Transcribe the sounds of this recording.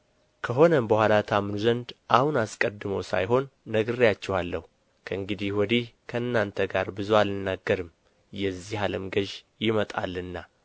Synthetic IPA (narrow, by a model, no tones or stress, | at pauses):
kʰəɦo̞nəmbəhʷalat̪ʰamnuzənd̪ʔahunaskʼəd̪ːɨməwsa̰jɦo̞nːəɡɨɾijat͡ʃːɛwalːəhu | kʰəɨŋɡɨd̪ihwɔd̪ihkʰəɨnːant̪ʰəɡaɾbɨzualɨnːaɡːəɾɨm | jɛzːihaləmɡəʒjɪmət̪ʼa̰lːɨnːa